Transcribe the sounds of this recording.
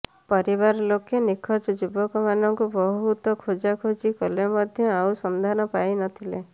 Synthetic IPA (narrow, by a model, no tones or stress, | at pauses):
pɔɾiβaɾɔlokenikʰɔt͡ʃɔd͡ʒubɔkɔmanɔŋkubɔɦɦut̪ɔkʰod͡ʒakʰod͡ʒikɔlemɔd̪ʱjɔawsɔnd̪ʱanɔpajnɔt̪ʰile